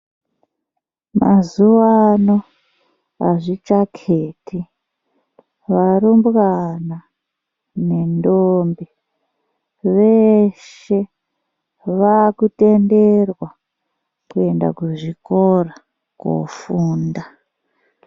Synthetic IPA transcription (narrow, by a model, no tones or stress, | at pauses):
mazuwano̞ | aʐit͡ʃakʰeːtʰi | ʋarumbɣana | ne̞ndoːmbi | ʋeʃ | e̞ | ʋakute̞nderwa | kue̞nda̰kuʐikora | ko̰fuːnda